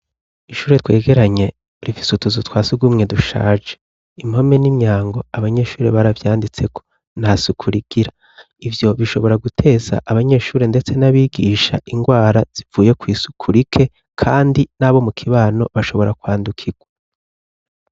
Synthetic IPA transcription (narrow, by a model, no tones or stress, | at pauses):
iʃuːɾetwe̞ːɡe̞ɾaɲe̞ | ɾifi̥sutuzutwaːsuɡumŋe̞duʃa̰ːd͡ʒe | imho̞me̞nimɲaːŋɡo̞aβaɲe̞ʃuːɾeβaɾavjaːndit͡se̞kʰo̞̥ | nhasukʰuɾiɡ̥iɾa | ivjo̞βiʃo̞βo̞ɾaɡutʰe̞ːza̰ʔaβaɲe̞ːʃuːɾe̞nde̞t͡se̞naβiːɡiːʃa̰iŋɡwaːɾaz̥ivuːje̞kwiːsu̥kʰuɾikʰe̞ | kʰaːndinaːβo̞mukʰiβaːno̞βaʃo̞βo̞ɾakwaːndukʰiɡ̥wa